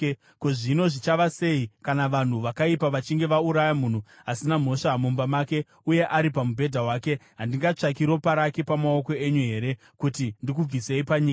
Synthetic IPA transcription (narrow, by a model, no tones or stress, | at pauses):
koʐino̞ʐit͡ʃaʋase̞ikanaʋan̤uʋakaipaʋat͡ʃiŋɡe̞ʋauɾajamun̤u | asinam̤o̞ʂamumbamaːke̞ | uje̞ʔaɾipamubʱe̞dʱawaːke̞ɦandiŋɡat͡ʂakiɾo̞paɾakepamao̞ko̞e̞ɲuɦe̞ɾe̞ | kutindik̬ub͡vise̞ipaɲiːka